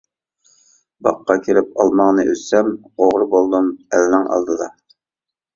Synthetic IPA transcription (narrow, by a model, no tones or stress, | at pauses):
bɑ̰qʰːɑkʲʰelɪp̚ɑlˠmɑŋnɨʔøzsɛm | oʁɾbolˠd̪umɛlnɪŋɑ̰lˠd̪ɨd̪ˠɑ